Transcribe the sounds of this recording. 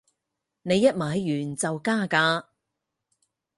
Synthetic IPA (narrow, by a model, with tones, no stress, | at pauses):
ne˨˧jːɐ˥t̚maː˨˥jːyː˨˩nt͡sɐ˨wkaː˥˩kaː˧